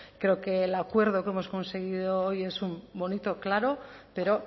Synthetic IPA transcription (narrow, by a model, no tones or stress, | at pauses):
kɾe̞oke̞ːlakwe̞ɾðo̞ke̞mo̞sko̞nse̞ɣ̞iðo̞oje̞sumbo̞nit̪o̞klaɾo̞pe̞ɾo̞